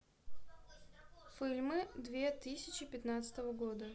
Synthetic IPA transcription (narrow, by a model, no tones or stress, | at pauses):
fʲilʲmɨd̪vʲe̞t̪ɨsʲɪt͡ɕɪpʲɪt̪nat̪sə̥t̪əvəɡod̪ə